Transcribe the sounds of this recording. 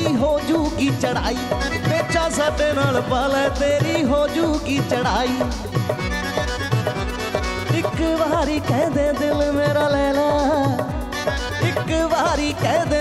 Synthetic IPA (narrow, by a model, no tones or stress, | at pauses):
iːɦoːd͡ʒuːkiːt͡ʃəɽaːiːʋeːt͡ʃʰaːsaːɖeːnaːlpaːlɛːt̪eːɾiːɦoːd͡ʒuːkiːt͡ʃəɽaːiː | ɪkʋaːɾiːkɛ̃ːd̪ẽːd̪ɪlmeːɾaːlɛːlaː | ɪkʋaːɾiːkɛ̃ːd̪ẽː